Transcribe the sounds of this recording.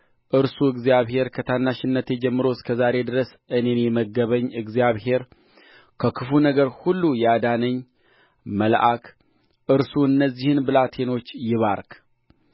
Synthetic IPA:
ʔɨɾsuɨɡzijaβhe̞ɾkʰət̪ʰanːaʃɪnːət̪jɛd͡ʒɛmːɨɾo̞skʰəzaɾe̞d̪ɨɾəsʔɨne̞njɛməɡəβəɲːɨɡzijaβhe̞ɾ | kʰəkʰɨfunəɡəɾhulːujɛad̪anəɲː | məlʔakʰ | ʔɨɾsuɨnːəzːihɨnbɨlat̪ʰe̞no̞t͡ʃːjɪβaɾk

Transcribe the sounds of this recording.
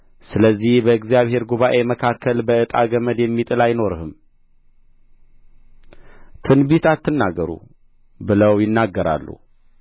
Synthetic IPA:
sɨləzːihbəɨɡzijaβhe̞ɾɡuβaʔe̞məkʰakːəlbəʔɨt̪ʼa̰ɡəməd̪jɛmːit̪ʼɨlajno̞ɾhɨm | t̪ʰɨnbit̪at̪ːɨnːaɡəɾṵ | bɨləwjɪnːaɡːəɾa̰lːṵ

